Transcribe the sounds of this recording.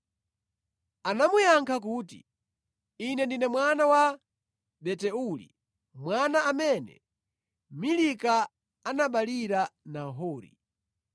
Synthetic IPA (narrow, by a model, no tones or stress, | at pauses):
anamujaŋkʰak̬uːtḭ | inɛndinɛmwanawa | ɓɛtɛulḭ | mwanaamɛnɛ̰ | milika | anaɓaliɾanaɦɔːɾḭ